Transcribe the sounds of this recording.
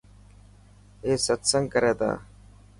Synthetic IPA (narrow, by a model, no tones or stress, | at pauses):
eːsət̪səŋɡkəɾeːt̪a̰ː